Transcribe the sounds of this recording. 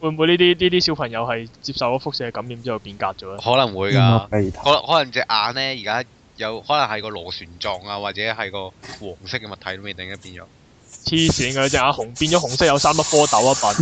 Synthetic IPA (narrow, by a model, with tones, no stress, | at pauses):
wu˨˧jmu˨˧jniː˥t̪iː˥niː˥t̪iː˥si˨˥wpʰɐ˨˩ŋjɐ˨˧whɐ˨jt͡siː˧p̚sɐ˨wkɔː˧˥fʊ˥k̚sɪ˧˥kɛ˧kɐ˨˥mjiː˨˧˥mt͡siː˥jɐ˨˩wpiː˧nka̰ː˧t̚t͡ʃɔː˨˥lːhɔː˨˥lɐ˨˩ŋwuː˨˧jkaː˧˨pe˨jt̪ʰɔː˨˥lhɔː˨˥lɐ˨˩ŋt͡sɛ˧ʔaː˨˧nlɛː˥jiː˨kaː˥ | jɐ˨˧whɔː˨˥lɐ˨˩ŋhɐ˨jkɔː˧lo˨˩syː˨˩nt͡sɔː˨˧ŋaː˧waː˨˩t͡sɛː˨˥ɦɐ˨jkɔː˧wɔː˨˩ŋsɪ˥k̚ːɛ˧mɐ˨t̪ʰɐ˨˩jt̪o˨˥mjiː˨˧˩t̪ɪ˨˥ŋjɐ˥piː˧nt͡ʃɔ̰˨˦ | t͡sʰiː˥siː˨˥nkɐ˧t͡sɛː˨˩ŋaː˧hʊ˨˩ŋpiː˧nt͡ʃɔː˨˥ɦʊ˨˩ŋsɪ˥k̚jɐ˨˧wsaː˥mɐ˥t̚fɔː˥t̪ɐ˨˥waː˥pɐ˨˥n